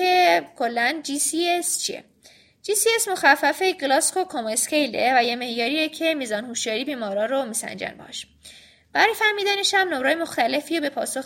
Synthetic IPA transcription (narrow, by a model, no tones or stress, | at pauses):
ekʰo̞lːænd͡ʒisiest͡ʃʰiḛ | d͡ʒiːsiesmo̞xæfːæfeɡlɒːsko̞kʰomoskʰejlḛvæjeme̞hjɒːɾiːecʰe̞miːzɒːnhuʃjɒːɾiːbiːmɒːɾɒːɾomiːsæ̰nd͡ʒæ̰nbḛʃ | b̥æɾɒjefæɾmiːd̪æneʃæmnomɾɒːjemo̞xt̪æle̞fiːbe̞pʰɒ̰ːsox